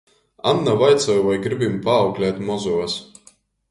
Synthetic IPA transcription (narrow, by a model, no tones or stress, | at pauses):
anːavajt̪sɔjuvajɡɾibimpaːwklʲɛːt̪mɔzus